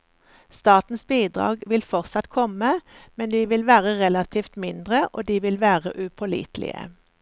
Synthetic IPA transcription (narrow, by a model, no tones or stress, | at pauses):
st̪ɑːt̪n̩sbiːd̪ʁɑ̰ːɡʋɪlfɔʁsɑt̪kʰɔməmɛnd̪iːʋɪlʋæːʁəʁɛlɑt̪ʰiːft̪mɪnd̪ʁəʔoːd̪iːʋɪlʋæːʁə̰ʔʉpʰɔlḭːt̪lɪ̰ə̰